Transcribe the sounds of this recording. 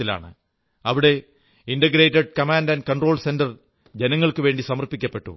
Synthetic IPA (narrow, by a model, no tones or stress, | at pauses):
ila̰ːɳɨ̰ | ɐʋiɽe̞ | inɖɐɡɾeːtːɐɖ̚kɐmaːndɐnkɐɳɖro̞ːɭse̞ndɐr | d͡ʑenɐŋːɐɭkɨʋe̞ːɳɖisɐmɐrpikʲːɐpːe̞ʈːṵ